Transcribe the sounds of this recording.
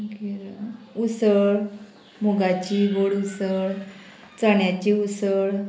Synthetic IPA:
ɡiɾausəɭ | muɡat͡ɕiɡoɽusəɭ | t͡saɳjat͡ɕiusəɭ

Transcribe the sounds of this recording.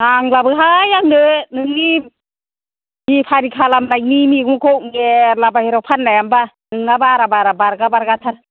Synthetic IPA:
naŋlabɯɦajaŋnɯnɯŋni | hipʰaɾikʰalamnajnimiɡmukʰɔwɡeɾlabahiɾawpʰanːajamba | nɯŋnabaɾabaɾabaɾɡabaɾɡatʰan

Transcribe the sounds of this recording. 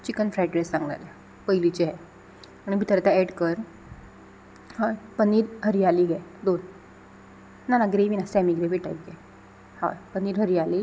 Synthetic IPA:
t͡ɕikənfɾajʈɾesːãŋɡla̰jla | pəjlit͡ɕeɦɛ | añibʱit̪əɾt̪aɛɽkəɾ | hajpəniːɾɦəɾijaliɡɛd̪on | nanaɡɾeʋinasɛmiɡɾeʋiʈa̰t̪̚ɡɛ | ha̰jpəniːɾɦəɾijali

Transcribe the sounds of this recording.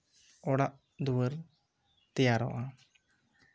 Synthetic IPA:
ɔɽaʔ | d̪uwəɾ | t̪ɛjaɾɔ̰ʔa

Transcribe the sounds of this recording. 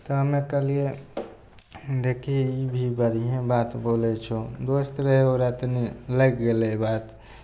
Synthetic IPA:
t̪ɔɦəmekəlije | d̪ekʰiibʱibəɾiɦẽbat̪bolɛt͡ʃʰod̪osɾeɦeoɾat̪niləɡɡelebat̪

